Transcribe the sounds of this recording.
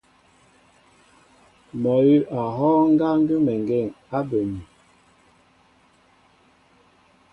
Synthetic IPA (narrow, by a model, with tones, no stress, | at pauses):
mɔ˨ji˦ʔa˨ɦɔː˦ŋ̩˦ɡa˦ŋ˦ɡi˦mɛ˨ŋ˨ɡɛ˦˨ŋ | a˦be˨mi˨